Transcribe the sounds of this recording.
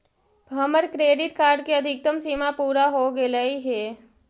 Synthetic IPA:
bʱəməɾkɾeːɖɪʈkaːɾɖkiɐd̪ʱɪk̚t̪əmsimapuːɾaɦoɡeləiɦɛ

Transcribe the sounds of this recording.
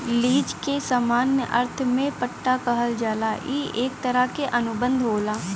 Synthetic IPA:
liːd͡ʒkesaːmaːnʔɐ̰ɾt̪ʰmẽpəʈːakɐɦəld͡ʒaːlaːʔiːeːk̚t̪əɾəkeʔɐnʊbə̃nd̪ʱɦoːlaː

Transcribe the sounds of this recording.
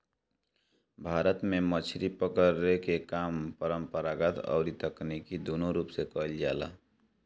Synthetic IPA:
bʱaːɾət̪mẽmət͡ʃʰɾipəkəɾekekaːmpəɾəmpəɾaːɡət̪ɔ̰ʊɾit̪əknikid̪oːnoɾuːpsekəld͡ʒa̰ːla̰ː

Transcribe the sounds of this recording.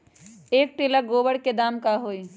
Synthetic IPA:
eːk̚ʈ̪ɪləɡoːbəɽked̪aːmkaɦoːi

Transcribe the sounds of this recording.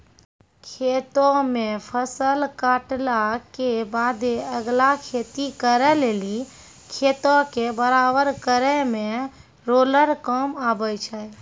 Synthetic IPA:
kʰet̪õmẽpʰəsəlkaʈlakebad̪eəɡlakʰet̪ikəɾɛleːli | kʰet̪õkebəɾabəɾkəɾɛmẽ | ɾoːləɾkəmabəjt͡ʃʰə

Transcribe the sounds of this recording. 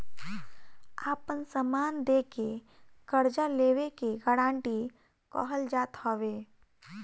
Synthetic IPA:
aːpənsəmaːnd̪eːkekəɾd͡ʒaleːwekeɡəɽãːɳʈi | kɔ̰ːɦəld͡ʒaːt̪hoːʋeː

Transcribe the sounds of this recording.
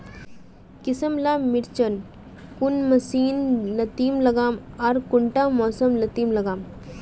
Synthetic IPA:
kɪsəmlaːmɪɾt͡ʃən | kunmɐsiːnlɐt̪iːmlɐɡaːmaɾkuɳʈaːmɔːsəmlɐt̪iːmlɐɡaːm

